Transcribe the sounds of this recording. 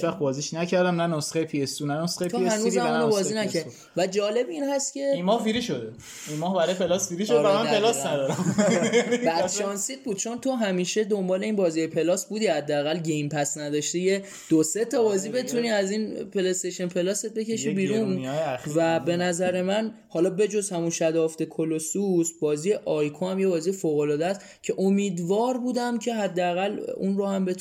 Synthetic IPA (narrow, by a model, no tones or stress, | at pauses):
t͡ʃvæχbɒːziʃnæcʰæɾd̪æmnænosχejpʰiest̪unænosχejt̪ʰohænuzæmunobɒːzinæcʰæɾd | væd͡ʒɒːle̞binɦæst̪cʰe̞imɒːhfiɾiʃod̪e | inmɒːhbæɾɔjpelɒsfiɾiʃod̪æmænpelɒsnæd̪ɒɾæm | bæd̪̥ʃʃɒnsiːt̪̚buːd̪̚t͡ʃʰo̞nt̪ʰo̞ɦæmiːʃe̞d̪o̞mbɒːle̞iːnbɒːziɒjepʰe̞lɒːsbuːd̪ihæd̪ːeæɣælɟejmpʰæsnæd̪ɒːʃt̪ije̞ | d̪̥ose̞t̪ʰɒbɒːziːbe̞t̪ʰuniæzinpʰelest̪eʃenpʰe̞lɒːse̞t̪̚be̞cʰe̞ʃibiːɾunvæbe̞næzæɾe̞mæn | hɒːlɒːbe̞d͡ʒo̞zhæmunʃæd̪ɒːft̪e̞kʰolosusbɒːzije̞ʔɒjkʰohæmjebɒːzijefoːɣolɒːd̪eæst̪ | cʰe̞ʔomiːd̪vɒːɾbuːd̪æmcʰe̞ɦæd̪ːeæɣælṵnɾohæmbe̞